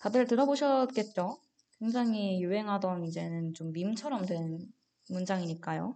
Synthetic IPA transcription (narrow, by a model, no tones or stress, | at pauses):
kadɯɭtɯɾʌboɕʰʌt̚k͈e̞t̚t͡ɕ͈o | kwe̞ŋd͡ʑaŋijuɦe̞ŋɦadʌnid͡ʑe̞nɯnt͡ɕomːimt͡ɕʰʌɾʌmdwe̞n | mund͡ʑaŋiɲik͈ajo̰